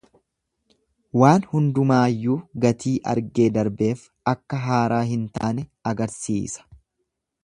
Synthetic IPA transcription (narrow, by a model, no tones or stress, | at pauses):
waːnhʊnd̪ʊmaːjːuːɡɐt̪iːʔɐ̰ɾɡe̞ːd̪ɐɾbe̞ːf | ɐkːɐɦaːɾaːɦɪnt̪a̰ːnɛɐɡɐɾsiːsɐ̥